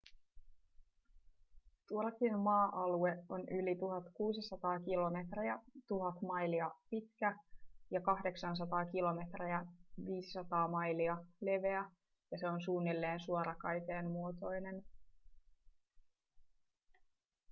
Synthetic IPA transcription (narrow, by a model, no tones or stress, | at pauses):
t̪uolɑkinmɑːʔɑlue̞onylit̪uɦɑt̪kuːsisɑt̪ɑːkilo̞me̞t̪riɑt̪uɦɑt̪mɑjliɑpit̪kæjɑkɑɦde̞ksɑns̬ɑt̪ɑːkilo̞me̞t̪riæʋiːsi̥sɑt̪ɑːmɑjliɑle̞ʋe̞æ | jɑse̞o̞nsuːnːilːe̞ːnsuoɾʔɑkɑjt̪e̞ːmmuot̪o̞jne̞n